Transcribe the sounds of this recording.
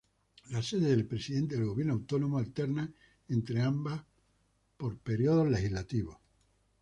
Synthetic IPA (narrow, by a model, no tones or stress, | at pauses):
lase̞ðeðelpɾe̞siðe̞nt̪eðelɣo̞βjeɾnoawt̪o̞nõmoalt̪eɾna | ẽnt̪ɾeambah | poɾpe̞ɾjo̞ðozle̞xiɦlat̪iβos